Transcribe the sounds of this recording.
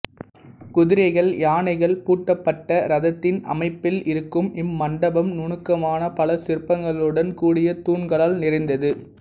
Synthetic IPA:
kʊðɪɾɐɪɣɐɭjaːnɐɪɣɐɭpuːʈːɐpːɐʈːɐɾɐðɐt̪ːɪnɐ̰mɐɪpːɪlɪɾɯkːɯmɪmːɐɳɖɐbɐmnʊɳɯkːɐmaːnɐpɐlɐsɪɾpːɐŋɡɐɭɯɽɐnkuːɽɪjɐt̪uːɳɡɐɭaːlnɪɾɐɪnd̪ɐðɯ

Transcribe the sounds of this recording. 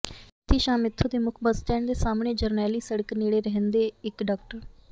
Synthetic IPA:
t̪ʰːiːʃaːmɪt̪ʰːud̪eːmʊkʰbəst͡ʃɛːɳd̪eːsaːmɳeːd͡ʒəɾnɛːliːsəɽəkniːɽeːɾəɦənd̪eːɪkɖaːkʈəɾ

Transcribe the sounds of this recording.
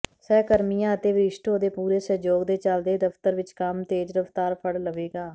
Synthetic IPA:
sɛːkəɾmijãːət̪eːʋɪɪʃʈ̪oːd̪eːpuːɾeːsəɦd͡ʒoːɡd̪eːt͡ʃəld̪eːd̪əpt̪əɾʋɪt͡ʃkəmt̪eːd͡ʒɾəft̪aːɾpʰəɽləʋeːɡaː

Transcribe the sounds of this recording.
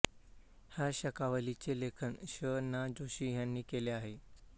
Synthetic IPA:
hjaɕəkaʋəlit͡ɕelekʰənɕənːad͡ʑoɕiːɦjanːiːkeleaɦe

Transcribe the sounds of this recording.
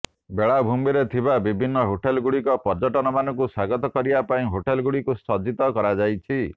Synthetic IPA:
beɭabʱumiɾet̪ʰibabibʱinːɔɦoʈelɡuɽikɔpɔɾd͡ʒɔʈɔnɔmanɔŋk̬usaɡɔt̪ɔkɔɾibapaĩɦoʈelɡuɽikusɔd͡ʒit̪ɔkɔɾad͡ʒajt͡ʃʰi

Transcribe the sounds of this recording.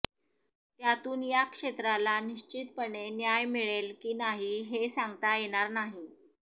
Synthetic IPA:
t̪jat̪uːnjakʂet̪ɾalaniɕt͡ɕit̪pəɳenjajmiɭelkiːnaɦiɦesaŋɡt̪ajeɽ̃aɾnaɦi

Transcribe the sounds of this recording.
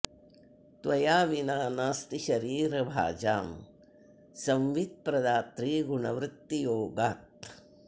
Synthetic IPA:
t̪ʋɐjaːʋinaːnaːst̪iʃɐɾiːɾɐbʱa̰ːd͡ʒaːm | sɐ̃mʋid̪̚pɾɐd̪aːt̪ɾiːɡuɳɐʋɾɪt̪ːijoːɡaːt̪̚

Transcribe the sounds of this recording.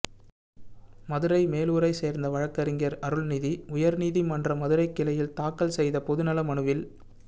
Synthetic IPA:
mɐðɯɾɐɪmeːluːɾɐɪseːɾnd̪ɐʋɐɻɐkːɐɾɪŋɡɐɾɐɾɯɭniːðiʊjɐɾniːðimɐndrɐmɐðɯɾɐɪkːɪlɐjɪlt̪aːkːɐlsɛjðɐpɔðɯnɐlɐmɐɳɯʋɪl

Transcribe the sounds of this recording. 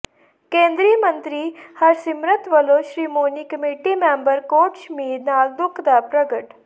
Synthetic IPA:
kẽːnd̪ɾiːmənt̪ɾiːhəɾsɪmɾət̪ʋəloːʃɾiːmoːniːkəmiːʈiːmẽːmbəɾkoːʈʃəmiːd̪naːld̪ʊkʰd̪aːpɾəɡəʈ

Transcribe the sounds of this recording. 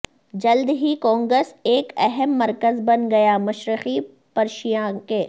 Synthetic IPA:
d͡ʒɐld̪ɦikɔ̃ːŋɡɾəseːkɛɦɛmːɐɾkəzbɐnɡɐjaːmɐʃɾɪqi | pɐɾʃijãkeː

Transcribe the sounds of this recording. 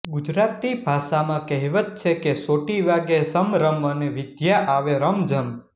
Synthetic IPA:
ɡud͡ʒɾat̪ːibʱaʃamãkəɦiʋət̪̚t͡ʃʰekesoʈiʋaɡesəmɾəməneʋɪd̪jaʔaʋeɾəmd͡ʒəm

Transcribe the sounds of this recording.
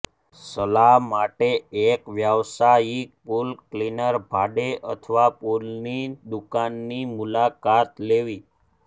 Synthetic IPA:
səlaɦmaʈeekʋjəʋsaipulklinəɾbʱaɖeʔə̰t̪ʰəʋapulnid̪ukanːimulakat̪leʋi

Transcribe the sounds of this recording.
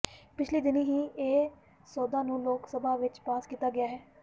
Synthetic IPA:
pɪt͡ʃʰliːd̪ɪnɦiːeː | sɔːd̪ãːnũːloːksəbʱaːʋɪt͡ʃpaːskiːt̪aːɡɪjaːɦɛː

